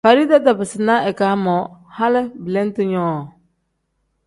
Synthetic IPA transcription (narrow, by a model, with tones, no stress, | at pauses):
fa˨ɾi˦da˦da˨bɪ˨sɪ˨na˦ɛ˨ka˨˦mɔ˨˦ha˦lɪ˦bɪ˨le˦n˦tɪ˦ɲɔː˦˨